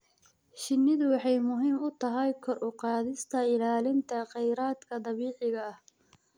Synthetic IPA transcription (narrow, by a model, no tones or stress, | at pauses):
ʃɪnːɪðʊwɑħɑjmʊɦiːmʊt̪ʰɐɦɛjkʰɔrʔʊqɑːðɪst̪ʰɐɪlaːlɪnt̪ʰɐqɛjɾaːd̪kʰɐd̪ɑβiːʕɪɣɐːh